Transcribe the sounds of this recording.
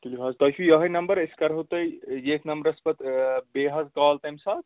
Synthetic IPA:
k̪ilikʰazt̪ɐt͡ʃʰujɐɦəjnɐmbəɾeskɐɾɦot̪əjjeːknɐmbəɾɐspɐt̪beːɦɐzkaːlt̪ɐjmsaːt̪

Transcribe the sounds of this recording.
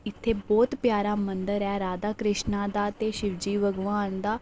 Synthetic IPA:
ɪt̪ʰːeːbɔːt̪pjaːɾaːmənd̪əɾɛːɾaːd̪aːkɾɪʃnãːd̪aːt̪eːʃɪʋd͡ʒiːʋəɡʋaːnd̪aː

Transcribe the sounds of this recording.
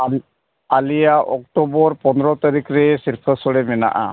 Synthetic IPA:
alijaʔɔk̚ʈɔbɔɾpɔnɾɔt̪aɾikɾɛsiɾpʰəsɔɽɛmɛna̰ʔa̰

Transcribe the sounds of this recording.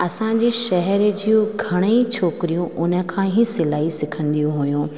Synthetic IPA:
ɐsãɲd͡ʑiːʃɐɦɛɾd͡ʑijõɡʱɐɽ̃eit͡ɕʰoːkɪɾijũʔʊnə̆kʰãːɦisɪlaːisɪkʰə̃nd̪ijũɦujũː

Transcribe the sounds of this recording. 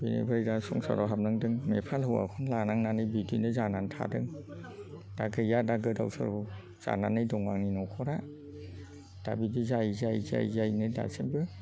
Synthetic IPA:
b̥enḛbʰɯɾdasɔŋsɔ̰ɾɔɦap̚nɯŋdɯŋmepʰalhɯwa̰kʰɔnlanaŋnanɯjbidinɯzanantʰa̰dɯŋ | d̥aɡɯjadaɡɯdawsɔ̰ɾɔ | z̥a̰nanɯjdɔŋaŋninɔkʰɔɾa | d̥abibizaizajza̰jzajnɯda̰sembɯ

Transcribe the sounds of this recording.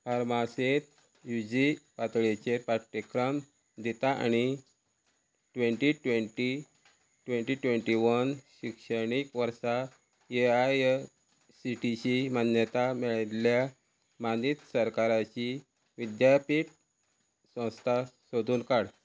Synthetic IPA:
paɾmaset̪ | jud͡ʑipat̪ɭet͡ɕepaʈːikɾəm | d̪it̪aʔa̰ñi | ʈʋeɳʈiʈʋeɳʈi | ʈʋẽɳʈiʈʋeɳʈiʋənɕikʂəɽ̃ikʋəɾsa | eaj | siʈiɕimanjət̪amɛɭet̪lja | manit̪səɾkaɾat͡ɕi | ʋid̪japiʈ | sə̃w̃st̪ʰasod̪ʱuːnkaɽ

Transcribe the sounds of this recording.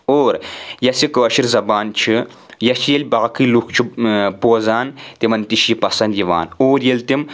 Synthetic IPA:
oːɾjɐsikɐɐʃiɾzɐbaːnt͡ʃʰi | jɐsjelʲbaːkɨlukt͡ʃʰipoːzaːnt̪imɐnt̪iʃjipɐsɐnd̪jiʋa̰ːnoːɾjelʲt̪im

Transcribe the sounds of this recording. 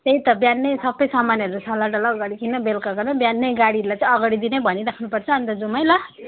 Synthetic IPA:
t̪eit̪ʌbjanːʌjsʌbʌjsamaniʌɾusʰalaʈʌlaɡʌɽikinːʌbelkaɡʌnʌbjanːʌjɡaɽiʌɾulajt͡sãʌɡaɽid̪inebʱʌniɾakʰnupʌrt͡sʰʌːnt̪ʌd͡zumajlʌ

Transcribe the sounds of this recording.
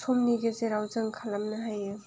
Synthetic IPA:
sʰɔmniɡɯzeɾawzɯŋkʰalamnɯɦajɯ

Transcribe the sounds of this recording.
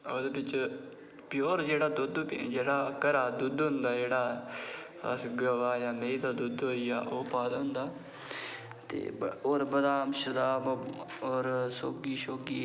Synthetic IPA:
oːd̪eːbɪt͡ʃ | pɪjoːɾd͡ʒeːɽaːd̪ʊd̪d͡ʒeːɽaːkəɾaːd̪ud̪ɦʊnd̪aːd͡ʒeːɽaː | ə̰sɡəʋaːjãːmeit̪aːd̪ʊd̪ɦoːijaːʔoːpaːd̪ɦʊnd̪aː | t̪ḛːoːɾbəd̪aːmʃəd̪aːb | oːɾsoːɡiːʃoːɡiː

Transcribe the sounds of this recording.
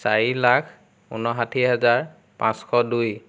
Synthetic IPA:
saɹilakʰ | ṵnɔɦatʰiɦazaɹ | pãskʰɔduj

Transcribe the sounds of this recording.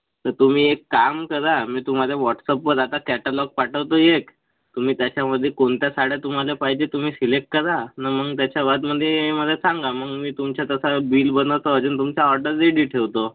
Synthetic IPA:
t̪əɾt̪um̤iːekːamkəɾamiːt̪um̤aleʋɔʈsəpʋəɾat̪akɛʈalɔɡ̚paʈʰəʋt̪oek | t̪um̤iːt̪jat͡ɕjaməd̪ʱːjekoɳt̪jasaɽjet̪um̤alepaɦid͡ʑet̪um̤iːsilek̚ʈ̚kəɾanaməɡt̪jat͡ɕjaʋat̪məd̪ʱːjeməd̪ʱːjesãŋɡaməɡmiːt̪umt͡ɕjat̪əsabiːlbənəʋt̪oəd͡ʑuːnt̪umt͡ɕjaɔɾɖəɾiɽiːʈʰeʋt̪o

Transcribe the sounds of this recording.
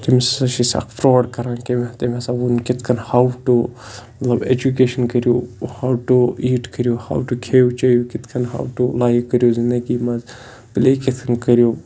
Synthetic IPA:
t̪imesɐʃisɐ̰kpɾoːɖkɐɾãːkemet̪emɐsãːunkɪt̪ʰkʰɐnhaːwʈu | mɐt̪lɐbḛːd͡ʒukeːʃənkɐɾijoːhaːwʈuiːʈkɐɾijoːha̰ːwʈukʰeːʋt͡ʃaːijoːkɪt̪ʰkʰɐnɦa̰ːwʈulaːjʋkɐɾjoːzɪ̃nd̪əɡiːmɐz | bɪlekɪt̪ʰɐnkɐɾijoː

